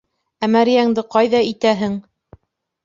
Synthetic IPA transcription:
æmæɾjæŋd̪ɘqɑjðɑit̪æɦɘŋ

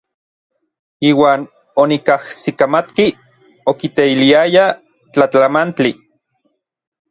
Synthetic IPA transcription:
iːwaːn | onikahsikamat̪ki | okit̪eiliaja | t͡ɬat͡ɬamant͡ɬi

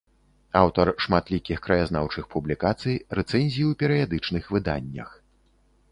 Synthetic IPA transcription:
awt̪ɐrʂmat̪lʲikʲixkɾɐjaznawt͡ʂɨxpublʲikat̪sɨjrɛt̪sɛnʲzʲijiwpʲɛɾɨjad̪ɨt͡ʂnɨxvɨd̪a̰nʲːɐ̰x

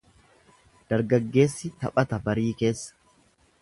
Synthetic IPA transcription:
d̪̥ɐɾɡɐɡːe̞ːsːɪt̪ɐpʼɐt̪ɐbɐɾiːke̞ːsːɐ̥

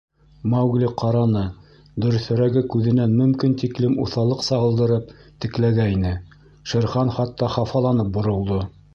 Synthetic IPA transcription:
mɑwɡlʲiqɑɾɑnɤ | d̪ɵ̆ɾɵ̆θɵ̆ɾæɡɘkʉðɘ̆nænmɵ̆mkint̪iklɘmṵθɑlˠɤqsɑʁɤ̆lˠd̪ɤ̆ɾɤp | t̪ɘ̆klæɡæinɘ | ʃɘ̆ɾχɑnχɑt̪ːɑχɑfɑlˠɑnɤp̚bŏɾŏlˠd̪o

